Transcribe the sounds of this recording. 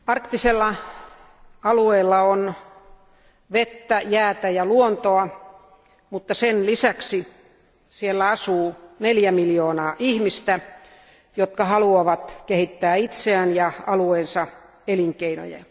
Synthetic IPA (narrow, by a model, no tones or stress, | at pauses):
ɑrkt̪iselːɑ | ɑlueːlːɑon | ʋet̪ːæjæːt̪æjɑluont̪oɑ | mut̪ːɑsenlisæksi | sielːæɑsuːneljæmiljoːnɑːʔihmist̪æ | jot̪kɑhɑluɑʋɑt̪kehit̪ːæːit̪seænjɑɑlueːnsɑ | eliŋkeino̰jɑ̰